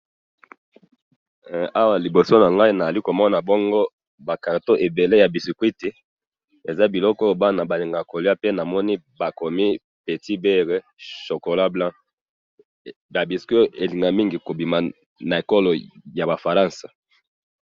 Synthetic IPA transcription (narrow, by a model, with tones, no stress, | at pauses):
a˦wa˨li˨bo˨so˦na˨ŋɡa˦i˦na˨a˨li˦ko˨mɔ˦na˨bɔ˦ŋɡɔ˦ | ba˨ka˨to˦ʔe˨be˨le˦ja˨bi˨si˨kwi˦te˨ | e˨za˦bi˨lɔ˦kɔ˦ba˦na˨ba˨li˨ŋɡa˨ko˨li˦a˦pe˦na˨mɔ˦ni˦ | ba˨ko˨mi˦ | pe˨ti˦bɛ˦ʁe˨ | ʃo˨ko˨la˦blã˦ | ba˨bi˨sko˦ʔe˨li˨ŋɡa˨mi˦ŋɡi˨ko˨bi˨ma˨ | na˨e˨ko˦lo˨ja˨ba˨fa˨ʁã˦nsḁ˨